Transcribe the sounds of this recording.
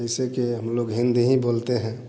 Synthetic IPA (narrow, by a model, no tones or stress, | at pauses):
əɪsekiɦəmloɡɦĩnd̪iɦĩbolt̪eɦɛ̃